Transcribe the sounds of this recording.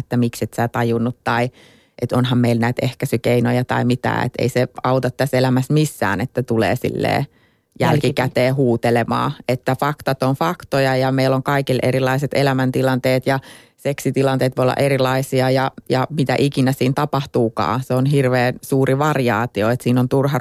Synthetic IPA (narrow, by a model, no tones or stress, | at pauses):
et̪ːæmiksit̪sæːt̪ɑjunːut̪t̪ɑi | ʔet̪onɦɑmmeilnæit̪ehkæsykeinojɑt̪ɑ̰imit̪æ̰ːḛt̪ḛiseɑut̪ɑt̪t̪æselæmæsmisːæ̰ːnet̪ːæt̪ulḛːsḭlːḛː | jælkikæt̪eːɦuːt̪elemɑ̰ːet̪ːæfɑkt̪ɑt̪onfɑkt̪ojɑjɑmeilːoŋkɑikilḛrilːˑɑiset̪elæmænt̪ilɑnt̪eːt̪jɑ | seksit̪ilɑnt̪eːt̪ʋojolːɑ̰ʔeɾilɑisiɑjɑjɑmit̪æ̰ʔikinæsiːnt̪ɑpɑht̪uːkɑ̰ːseonɦirʋeːnsuːriʋɑriɑːt̪ioet̪siːnont̪urhɑ